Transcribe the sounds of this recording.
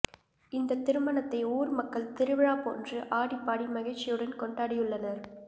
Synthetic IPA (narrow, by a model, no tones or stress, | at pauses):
ɪnd̪ɐt̪ːɪɾɯmɐnɐt̪ːɐɪuːɾmɐkːɐɭt̪ɪɾɯʋɪɻaːpo̰ːndrɯʔaːɽipːaːɽimɐɣɐɛɪt͡ʃːɪjɯɽɐnkɔɳɖaːɽɪjɯɭːɐnɐɾ